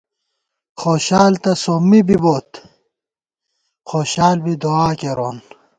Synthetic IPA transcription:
xoːɕaːlt̪ɐsomːibiboːt̪ | xoːɕaːlbid̪oaːkeɾoːn

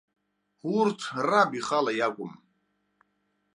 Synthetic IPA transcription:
huːɾt̪ʰrabiχalajaɡʷum

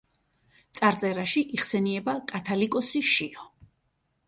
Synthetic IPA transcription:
t̪sʼaɾt̪sʼɛɾaʃiʔiχsɛniɛbakʼat̪ʰalikʼɔsiʃiɔ

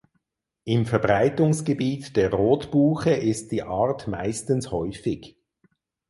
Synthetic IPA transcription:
ɪmfɛɐbʁaɪtʊŋsɡ̥əbiːtd̥eːɐʁoːtb̥uːχəʔɪst̚d̥iːʔaːʁtma̰ɪstən̩shɔʏfɪɡ

